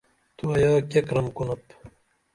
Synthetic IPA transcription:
t̪uɐjaːkekɾɐmkunɐp

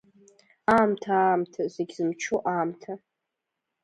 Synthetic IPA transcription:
aːmtʰaːmtʰazʷeɡʲzɨmt͡ʃʰoʔaːmtʰa

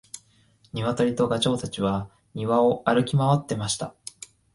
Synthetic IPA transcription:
ɲ̟iβat̪oɾʲit̪o̞ɡat͡ɕo̞ːt̪at͡ɕiβa | ɲ̟iβao̞aɾɯ̟kʲimaβat̪ːe̞maɕi̥t̪a

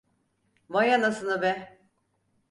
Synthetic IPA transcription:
vajanasɯnabɛ

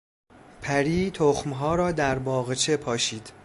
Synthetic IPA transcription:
pʰæɾiːt̪ʰoxmɦɒːɾɒːd̪æɾbɒːɣt͡ʃʰe̞pʰɒːʃiːd̪̥

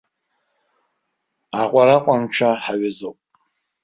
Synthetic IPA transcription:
aqʷʼaɾaqʷʼant͡ʃʷʰaħaɥɪzowpʼ

